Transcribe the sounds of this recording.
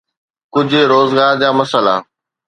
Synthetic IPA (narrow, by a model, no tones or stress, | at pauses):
kʊd͡ʑʱɾoːzɡaːɾd͡ʑaːmɐsəla̰ː